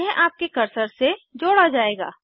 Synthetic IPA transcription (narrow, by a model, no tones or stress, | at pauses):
ɦɛ̃ʔaːp̚kekɐɾsəɾsed͡ʒoːɽad͡ʒaːeːɡa̰ː